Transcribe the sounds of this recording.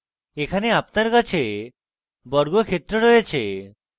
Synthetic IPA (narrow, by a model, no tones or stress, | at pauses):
ekʰaneapnaɾkat͡ʃʰe | bɔɾɡokʰet̪ːɾoɾɔjet͡ʃʰe